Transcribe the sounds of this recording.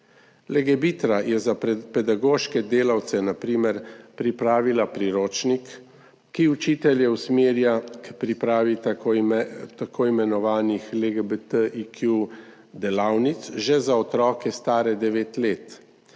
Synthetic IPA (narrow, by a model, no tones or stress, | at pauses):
lɛɡɛbit̪ɾajɛzapɛd̪aɡoːʃkɛd̪eːlawt̪sɛnapɾiːmɛɾpɾipɾaːʋilapɾiɾoːt͡ʃnikː | iut͡ʃiːt̪ɛljɛwsmeːɾjakpɾipɾaːʋi | t̪akʰoːimɛnɔʋaːnixleɡebet̪əikʰju | d̪ɛlaːwnit̪sʒɛzaɔt̪ɾɔːkɛst̪aːɾɛd̪ɛʋeːt̪leːt̪